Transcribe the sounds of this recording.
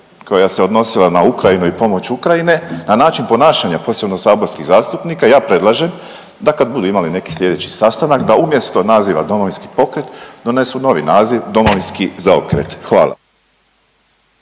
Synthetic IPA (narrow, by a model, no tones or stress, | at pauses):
ko̞jase̞o̞d̪no̞silˠanaukɾajinuipo̞mo̞t͡ɕukɾajine̞nanaːt͡ʃinpo̞naːʃaɲapo̞se̞bno̞saːbo̞ɾskiɣzaːst̪upnikajaːpɾe̞d̪lˠaʒe̞m | d̪akad̪bud̪uimaline̞ki̥slʲʎe̞d̪e̞t͡ɕi̥sast̪anakd̪aumje̞st̪o̞naziːʋa̰d̪o̞moʋinski̥po̞kɾe̞t̪d̪o̞ne̞suno̞ʋḭnaːziʋd̪o̞moʋinskizao̰kɾḛt̪xʋa̰ːlˠa̰